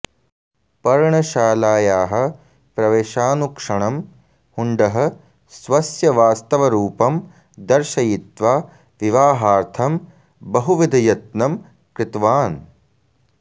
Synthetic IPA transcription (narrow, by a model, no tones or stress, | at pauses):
pɐɾɳɐʃaːlaːjaːɦɐ̆ | pɾɐʋeːʃaːnukʂɐɳɐm | huɳɖɐɦɐ̆ | sʋɐsjɐʋaːst̪ɐʋɐɾuːpɐm | d̪ɐɾʃɐjit̪ʋaː | ʋiʋaːɦaːɾt̪ʰɐm | bɐɦuʋid̪ʱɐjɐt̪nɐm | kɾɪt̪ʋaːn